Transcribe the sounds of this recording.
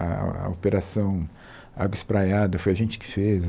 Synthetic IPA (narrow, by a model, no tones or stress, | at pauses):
a̰opeɾasɐ̃w̃ | a̰ɡwɐispɾajad̪ɐfojɐʒẽnt͡ʃɪ̥kɪ̥fez